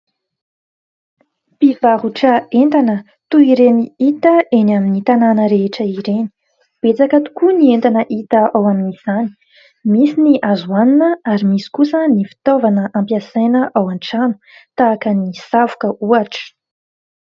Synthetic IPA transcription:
pivaɦuʈ͡ʂəent̪anə | t̪uiɾeniit̪əenaminit̪ananəɾeʈ͡ʂəiɾeni̥ | b̥et͡sakət̪u̥kunient̪anəʔit̪əʔawaminiz̥ani̥ | misiniʔazuaninəaɾimisi̥kusənifi̥t̪ovanəʔampjasajnəʔawaɳʈ͡ʂanu̥ | t̪aːkənisavukəʔuaʈ͡ʂə̥

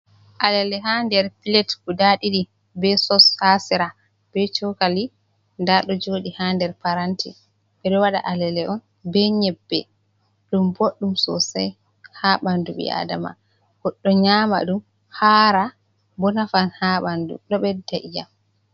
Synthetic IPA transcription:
ʔalɛlɛɦandɛɾpilɛtkudaɗiɗi | bɛsɔshasiɾa | b̥ɛt͡ʃɔkali | ndaɗɔd͡ʒoːɗihandɛɾpaɾantḭ | ɓɛɗɔwaɗa̰ʔalɛlɛʔɔn | bɛɲɛbːɛ | ɗumboɗːumsɔ̰sa̰j | haɓanduɓḭa̰da̰ma̰ | ɡ̥ɔɗːɔɲaːma̰ɗum | haɾa | bɔnafanhaɓandṵɗɔɓɛdaʔija̰m

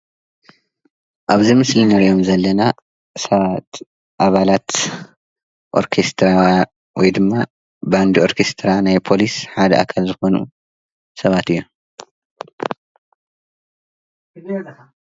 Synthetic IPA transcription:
ʔaβzimɨslinɐɾiʔo̞mzɐlːɐna | sɐβt̪ | ʔaβalat̪ | ʔo̞̰ɾkʰest̪ʰɾa | wɔjd̪ɨmːa | band̪io̞ɾkʰe̞st̪ʰɾanajpʰo̞lisħad̪ɐʔakʰalzɨxo̞nṵ | sɐβat̪ɨjːu

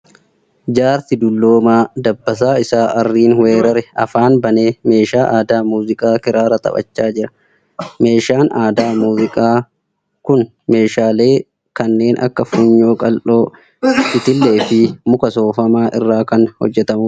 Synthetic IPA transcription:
d͡ʒaːɾt̪ɪd̪ʊlːoːmaːd̪ɐbːɐs̬aːɪsaːʔɐrːiːnwe̞ːɾɐɾɛɐ̰faːnbɐneːme̞ːʃaːʔaːd̪aːmuːzɪkʼaːkɪɾaːɾɐt̪ɐ̰pʼɐ̰t͡ʃːaːd͡ʒɪɾɐ | me̞ːʃaːnaːd̪aːmuːzɪkʼaː | kʊn | me̞ːʃaːle̞ː | kɐnːe̞ːnʔɐ̰kːɐfʊɲːo̞ːkʼɐlʔo̞ː | ɪt̪ɪlːe̞ːfɪmʊkɐso̞ːfɐmaːʔɪ̰rːaːkɐnhɔ̰d͡ʒːɛt̪ɐmʊ

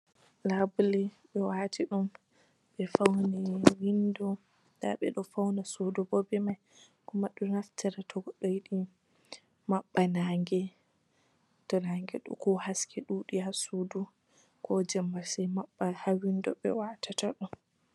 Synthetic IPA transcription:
labulɛɓɛwatʰiɗum | ɓɛfawniwindɔ | da̰ɓɛɗɔfawnasudɔbɔbɛmaj | kumaɗunaftʰɛɾatʰɔɡɔɗɔjiɗi | maɓːanaːŋɡɛ | tɔnaŋɡɛ̰ɗɔ̰kɔhaskʰɛɗuɗihasudu | kʰɔd͡ʒɛmːasɛmaɓːahawindɔɓɛ̰waːtʰataɗɔm

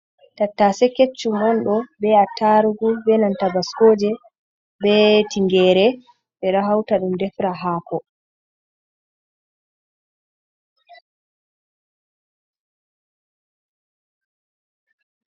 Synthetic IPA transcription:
tatːasɛket͡ʃːumɔnɗɔbɛataɾuɡubɛnantabaskoːd͡ʒɛ | bɛtiŋɡɛːɾɛ | ɓɛɾaɦawtaɗumdɛfɾaɦaːkɔ

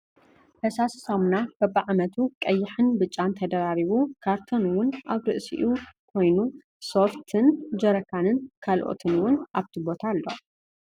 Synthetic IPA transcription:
hʰɐsassamunakɐbːaʕamɐt̪ʰukʼɐjːɪħɨnbɨt͡ʃʼːant̪ʰɐd̪ɐɾaɾiβukʰaɾt̪ʰonwʊnʔaβɾɨʔsḭʔukʰo̞jnu | so̞ft̪ʰɨnd͡ʒɐɾɐkʰanɨnkʰalʔo̰t̪ʰɨnwʊnʔaβt̪ʰibo̞t̪ʰalːo̰

